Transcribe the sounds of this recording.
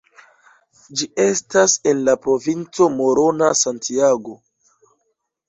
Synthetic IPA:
d͡ʒie̞stase̞nlapɾo̞vint͡so̞mo̞ɾo̞nasantiaɡo̞

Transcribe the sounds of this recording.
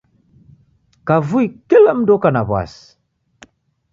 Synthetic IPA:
kavuikilɛm̩dɔkanaβwa̰si̥

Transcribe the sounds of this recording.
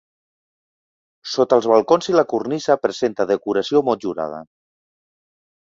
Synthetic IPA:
sot̪əlˠzβəlˠkonziləkurnizəpɾəzent̪əðəkuɾəsiomɔt̪ʒuɾa̰ð̞ə̰

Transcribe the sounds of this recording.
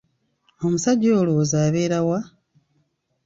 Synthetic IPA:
o̞musaɟoːlozaːβeːɾawa

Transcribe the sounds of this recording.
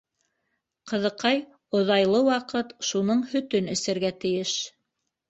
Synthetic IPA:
qɤ̆ðɤ̆qɑj | ŏðɑjlˠɤwɑqɤt̪ʃunɤɴhɵ̆t̪ɵnɘ̆sæ̆ɾɡæt̪ɘ̆jɘʃ

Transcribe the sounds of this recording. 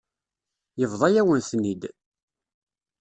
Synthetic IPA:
jəvðˤɑjæwənθnid̪

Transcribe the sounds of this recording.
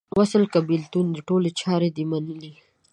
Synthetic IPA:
wasəlkabilt̪und̪əʈolet͡ʃɑɾed̪imanəli

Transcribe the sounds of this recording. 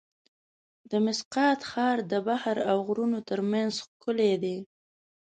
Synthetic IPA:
d̪əmɪsqɑt̪xɑɾd̪əbahaɾawɣɾunot̪əɾmanzxkʊled̪e

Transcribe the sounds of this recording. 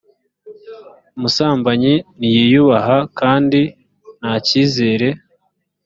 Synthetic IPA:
umusaːmbaɲinijijuβaɦakaːndi | naːciːzeːɾe̞

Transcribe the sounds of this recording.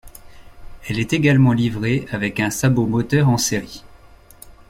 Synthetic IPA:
ɛlɛt̪eɡalmɑ̃livʁeavɛkɛ̃sabomɔt̪œʁɑ̃seʁi

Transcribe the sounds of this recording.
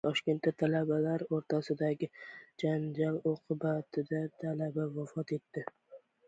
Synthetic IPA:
t̪ʰɒʃkʲe̞nt̪ːat̪ʰalabalaɾoɾt̪ʰasɪd̪aɡʲɪd͡ʒand͡ʒaloqʰʊbat̪ʰɪd̪at̪ʰalabavafɒt̪e̞t̪ːɪ

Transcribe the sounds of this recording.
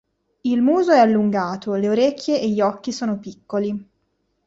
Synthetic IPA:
ilmuːzoɛalːuŋɡaːt̪oleoɾekʲːjeeʎːiɔkːisoːnopikːoli

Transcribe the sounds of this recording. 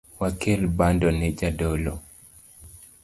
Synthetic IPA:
wakelbandɔnɛd͡ʒadɔlɔ

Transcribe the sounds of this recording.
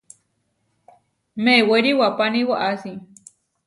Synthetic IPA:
meːweɾiwapaniwaʔasi

